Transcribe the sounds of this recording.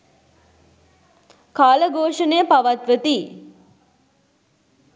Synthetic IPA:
kaːləɡʱoːʂənejəpaʋat̪ʋət̪i

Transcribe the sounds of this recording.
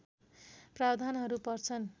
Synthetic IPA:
prabd̪ʱanɦʌɾupʌrt͡sʰʌn

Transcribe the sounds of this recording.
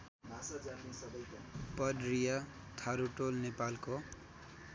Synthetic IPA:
bʱasad͡zanesʌbʌjkapʌdrija | t̪ʰaɾuʈolnepalko

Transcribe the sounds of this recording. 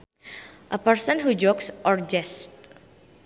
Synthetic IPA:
ʔəpərsɔnɦud͡ʒɔksʔɔrd͡ʒɛst

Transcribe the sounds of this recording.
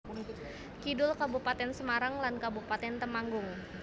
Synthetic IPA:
kidʊlkabupat̪ɛnsəmaɾaŋlankabupat̪ɛnt̪əmaŋɡʊŋ

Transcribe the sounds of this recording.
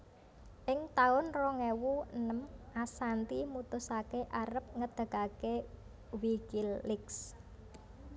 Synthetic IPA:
ʔɪŋt̪aʊnrɔŋewuənəmʔasant̪imut̪ʊsakeʔaɾəp̚ŋəd̪̥ə̤kake | wikɪlːɪks

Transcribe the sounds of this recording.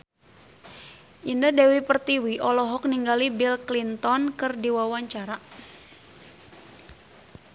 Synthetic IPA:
ʔindadɛwipərt̪iwiʔɔlɔɦɔk̚niŋɡalibilklint̪ɔnkɨrdiwawaɲt͡ʃaɾa

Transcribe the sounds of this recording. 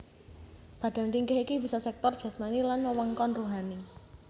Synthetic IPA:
b̥ä̤d̥a̤nt̪iŋkɛhikibi̤sɔsɛk̚t̪ɔrd̥ʒ̥ä̤smanilanwəwɔŋkɔnruɦani

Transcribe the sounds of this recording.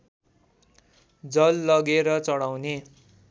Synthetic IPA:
d͡zʌlːʌɡeɾʌt͡sʌɽawne

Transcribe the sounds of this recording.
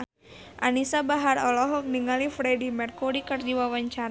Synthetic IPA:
ʔa̰nisabaɦaɾɔlɔɦɔk̚niŋalifɾɛdimɛrkɔɾikərd͡ʒiwawaɲt͡ʃaɾ

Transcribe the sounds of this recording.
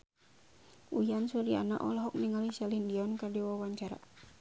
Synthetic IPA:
ujansuɾia̰na̰ʔɔ̰lɔɦɔk̚niŋalisalindiɔnkərdiwawaɲt͡ʃaɾa̰

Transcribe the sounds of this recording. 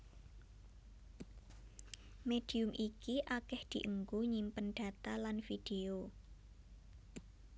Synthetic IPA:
med̪̥i̤ʊmʔikiʔakɛhd̪̥i̤ʔəŋɡuɲimpənɖ̥a̤t̪alanfid̥eo

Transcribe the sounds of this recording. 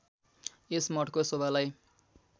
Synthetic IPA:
esmʌʈkosobʱalaj

